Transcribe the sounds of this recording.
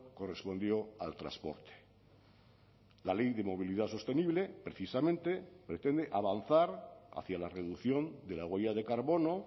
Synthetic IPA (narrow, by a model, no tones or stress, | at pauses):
ko̞re̞spo̞nd̪jo̞alt̪ɾa̰spo̞̰ɾt̪e̥ | lale̞jðe̞mo̞β̞iliðaso̞st̪e̞niβle̞pɾe̞θisamẽnt̪e̞pɾe̞t̪e̞nd̪eʔaβ̞anθaɾa̰θjalare̞ðuθjo̞nd̪e̞laɣwejaðe̞kaɾβo̞no̞